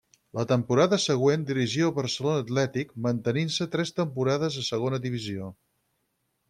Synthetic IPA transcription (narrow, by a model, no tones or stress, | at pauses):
lət̪əmpuɾaðəsəɣ̞wend̪iɾiʒioβəɾsəlonəːt̪lɛt̪ik̚mənt̪əninsət̪ɾɛst̪əmpuɾað̞əzðəsəɣ̞onəðiβizio